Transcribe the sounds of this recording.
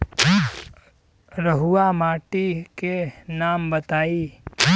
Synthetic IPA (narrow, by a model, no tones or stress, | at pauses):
ɾəɦʊwamaːʈikenaːmbət̪aːi